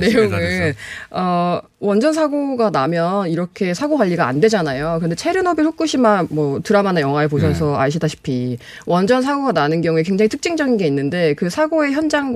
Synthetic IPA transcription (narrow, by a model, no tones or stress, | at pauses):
ne̞joɯnʌ | wʌnd͡ʑʌns̬ʰaɡoɡanamjʌniɾʌkʰe̞sʰaɡoxwaʎːiɡaa̰ndwe̞d͡ʑanajokɯnde̞t͡ɕʰeɾɯnʌbiɭhʰok̚k͈ɯɕʰimanmwʌtɯɾamanajʌŋɦwaepoɕʰʌsʰʌaɭɕ̬ʰidaɕʰi̥pʰi | wʔʌnd͡ʑʌns̬ʰaɡoɡananɯnɡjʌŋue̞kwe̞ŋd͡ʑaŋitʰɯ̥k̚t͡ɕ͈iŋd͡ʑʌɡinɡe̞inːɯnde̞kɯsʰaɡoe̞çjʌnd͡ʑaŋ